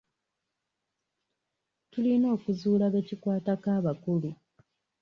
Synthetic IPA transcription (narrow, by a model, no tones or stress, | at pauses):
tulino̞ːkuzuːlaβe̞cikwaːtakaːβakulu